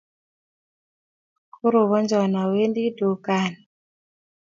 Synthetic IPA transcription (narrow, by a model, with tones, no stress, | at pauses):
kʰu˦ɾo˨βɔ˦nd͡ʒɔ˨na˨we˦ndi˦du˨ka˦˨n